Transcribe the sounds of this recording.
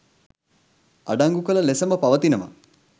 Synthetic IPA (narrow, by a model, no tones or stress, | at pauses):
a̰ɖaŋɡukəlɐlesəməpaʋət̪inɐmɐ̰